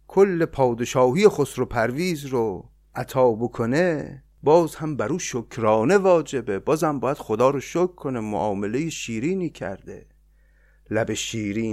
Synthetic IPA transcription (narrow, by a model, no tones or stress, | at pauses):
kʰolːe̞pʰɒːd̪eʃɒːɦijeχosɾopʰæɾviːzɾo | ʔæt̪ʰɒːbokʰone | bɒːzhæmbæɾuːʃokʰɾɒːne̞vɒːd͡ʒe̞bebɒːzæmbɒːjæd̪̥χod̪ɒːɾoʃokʰːonemo̰ʔɒːme̞le̞jeʃiːɾiːniːkʰæ̰ɾd̪ḛ | læbeʃiːɾiː